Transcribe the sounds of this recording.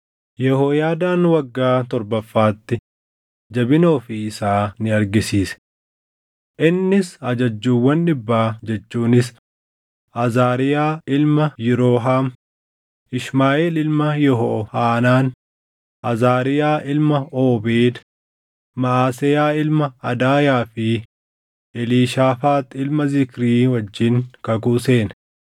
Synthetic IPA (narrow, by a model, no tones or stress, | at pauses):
jɛhoːjaːd̪aːnwɐɡːaːt̪ɔɾbɐfːaːt̪ːɪ | d͡ʒɐbɪnoːfɪɪsaːnɪɐɾɡɪsiːsɛ̥ | ʔɪnːɪsɐd͡ʒɐd͡ʒːuːwːɐnᶑɪbːaːd͡ʒɛt͡ʃːuːnɪs | ʔɐzaːɾɪjaːɪlmɐjɪɾoːɦaːm | ɪʃmaːʔeːlɪlmɐjɔɦɔhaːnaːn | ʔɐzaːɾɪjaːʔɪlmɐoːbeːd̪ | mɐaːsɛjaːɪlmɐɐd̪aːjaːfɪ | ɛliːʃaːfaːt̪ɪlmɐzɪkɾiːwɐd͡ʒːɪŋkɐkuseːn